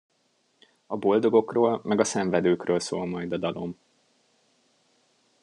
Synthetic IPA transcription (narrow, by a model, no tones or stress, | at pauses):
ɒbo̞ld̪o̞ɡo̞kroːlmɛɡɒsɛɱvɛd̪øːkrøːlso̰ːlmɒjd̪ɒd̪ɒlo̞m